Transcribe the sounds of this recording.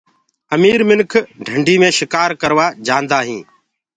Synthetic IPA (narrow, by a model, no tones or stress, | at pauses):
əmiːɾmɪnkʰɖʱəɳɖʱiːmẽːʃɪkaːɾkəɾʋaːd͡ʒãːnd̪aːɦĩː